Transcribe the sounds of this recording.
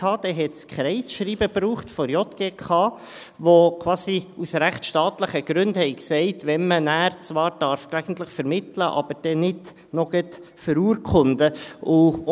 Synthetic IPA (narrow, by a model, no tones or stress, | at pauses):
ɑːd̥ɛɦɛtskχɾɛɪsʃɾiːbəbɾuːχtfɔɾjɔtɡ̥eːkʰɑː | ʋokʰwɑːsiusɾæχtʃtɑːtləχəɡ̥ɾʏndhɛɪksɛɪtʋɛnmənæːɾt͡svɑːɾd̥ɑɾfɡ̥æɡən̩tləχfəɾmɪtləʔɑ̰b̥əɾd̥ɛnɪd | nɔɡ̥ɛt | fəɾuːɾkʰχʊndəʊ